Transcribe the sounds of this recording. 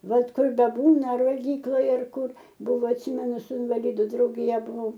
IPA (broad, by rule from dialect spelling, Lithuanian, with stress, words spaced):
ˈbʲɛt ˈkʊr bʲɛˈbuːnɐ ɐr ʋɐlʲˈɡʲiːklˠɐj ɐr ˈkʊr ˈbʊʋoː ɐtʲˈsʲiːmʲɛnʊ sʊ ɪnʋɐˈlʲɪdʊ drɐʊɡʲɪˈjɛ bʊˈʋɐʊ